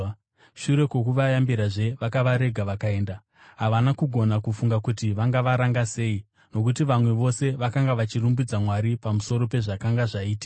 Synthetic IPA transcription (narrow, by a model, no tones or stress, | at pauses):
ʃuɾe̞ko̞kuʋajambiɾaʐe̞ʋakaʋaɾe̞ɡʱaʋakae̞ːnda | ɦaʋanakuɡʱo̞nakufuŋɡakutiʋaŋɡaʋaɾaŋɡase̞ːi | no̞kut̬iʋamwe̞ʋo̞se̞ʋakaŋɡaʋat͡ʃirumbud͡zamwaɾipamuso̞ɾo̞pe̞ʐakaŋɡaʐaiːti̥ka